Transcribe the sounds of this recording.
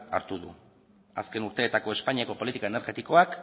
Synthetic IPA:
a̰ɾt̪uðṵ | a̰ske̞nuɾt̪e̞ːt̪ako̞e̞spaɲiako̞po̞lit̪ikaene̞ɾɣe̞t̪iko̞ak

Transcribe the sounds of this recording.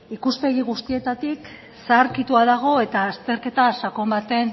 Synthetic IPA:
ikuspe̞ɣ̞iɣust̪ie̞t̪at̪ik | saɾkit̪uaðaɣ̞o̞e̞t̪aːst̪e̞ɾke̞t̪asako̞mbat̪e̞n

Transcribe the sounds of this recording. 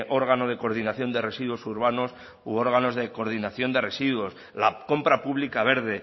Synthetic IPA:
ʔo̞ɾɣ̞ano̞ð̞e̞ko̞ɾðinaθjo̞nd̪e̞re̞siðuo̞suɾβano̞s | o̞ɾɣano̞zðe̞ko̞ɾðinaθjo̞nd̪e̞re̞siðuo̞s | lako̞mpɾapuβlikaβ̞e̞ɾðe̞

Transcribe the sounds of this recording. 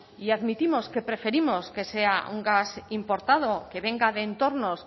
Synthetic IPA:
iaðmit̪imo̞skepɾe̞fe̞ɾimoske̞se̞aṵŋɡasimpo̞ɾt̪að̞okeβeŋɡaðeːnt̪o̞ɾnos

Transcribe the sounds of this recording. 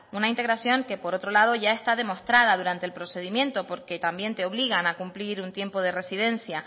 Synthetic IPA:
unaint̪e̞ɣɾasjo̞ŋke̞po̞ɾo̞t̪ɾo̞laðo̞ʝae̞st̪aðe̞mo̞st̪ɾað̞aðuɾant̪elpɾo̞se̞ð̞imjẽ̞nt̪o̞po̞ɾke̞t̪ambje̞nt̪e̞o̞βliɣanakumpliɾunt̪je̞mpo̞ð̞e̞re̞siðe̞nsja

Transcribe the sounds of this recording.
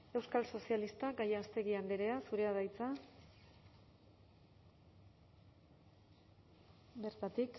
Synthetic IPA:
e̞wskalso̞sialist̪aɡajaːst̪e̞ɣiand̪eɾe̞asuɾe̞aðajt͡sa | be̞ɾt̪at̪ik

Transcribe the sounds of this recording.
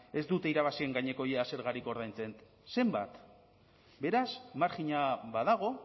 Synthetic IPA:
e̞zd̪ut̪e̞iɾaβ̞asie̞ŋɡaɲe̞ko̞jease̞ɾɣaɾiko̞ɾðajnt͡se̞nt̪ | se̞mbat̪ | be̞ɾasmaɾkiɲaβaðaɣ̞o̞

